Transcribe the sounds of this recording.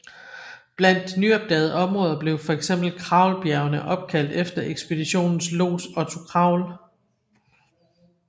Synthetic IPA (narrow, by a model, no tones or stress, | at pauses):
b̥læn̰d̥nyɒb̥̚d̥ɛːð̞̩ˠɒ̽mʁɔ̽ːðˠɐb̥le̝ʊfɒ̽eɡ̥sem̰b̥l̩kʰʁɑ̈ʊlb̥jæɐʊɐnəʔɒ̽b̥̚kʰæl̰d̥efd̥ɐʔeɡ̥sb̥e̝d̥iɕo̝̰ːnn̩slo̝̰ːsɒ̽t͡sʰokʰʁɑ̈ʊl